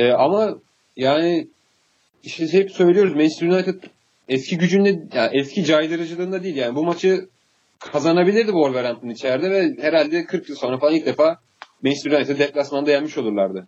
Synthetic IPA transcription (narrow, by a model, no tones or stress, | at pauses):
ɛːama | jaːnɪ | iʃt̪ɛhɛpsø̞jlʲijo̞ɾuzmɛnsynajt̪ʰɛt̪ | ɛscʰiɟyd͡ʒynd̪ɛjaʔɛscʰid͡ʒajd̪ɯɾɯd͡ʒɯlˠɯːnd̪ad̪ijiljaːnibumat͡ʃʰɯ | kʰazanabilʲiɾd̪iboɾveɾant̪ʰɯnit͡ʃʰæɾd̪ɛvɛheɾalʲd̪ɛkʰɯɾkjɯlˠso̞nɾafalˠailc̚d̪efaː | mɛnsynajʲt̪ɛd̪ɛplʲasmand̪ejænmiʃo̞lˠuɾlˠaɾd̪ɯ